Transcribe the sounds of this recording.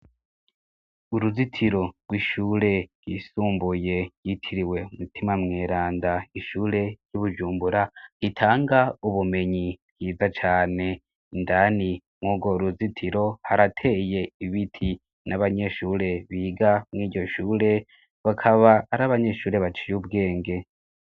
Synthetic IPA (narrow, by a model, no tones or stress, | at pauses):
uɾuzitʰiɾo̞ɾɡwiʃuːɾe̞ɡ̥wisuːmbuje̞jitʰiɾiwe̞umutʰimamŋeːɾaːndaiʃuːɾe̞juβuʒuːmbuɾahitʰaːŋɡauβume̞ɲiβɡiːzat͡ʃaːne̞ | ndani | mŋuːɡo̞ɾuzitʰiɾo̞haɾatʰe̞je̞iβitʰi | naβaɲe̞ʃuːɾe̞βiːɡamŋiːɟo̞ʃuːɾe̞ | βakʰaβaːɾaβaɲe̞ʃuːɾe̞βat͡ʃijubɡe̞ːŋɡe̞